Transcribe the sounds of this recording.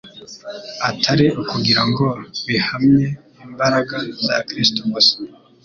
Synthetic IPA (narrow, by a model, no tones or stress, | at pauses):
atʰaɾiukuɡiɾaŋɡo̞βihamɲe̞ | imbaɾaɡaza̰kɾistomosi̥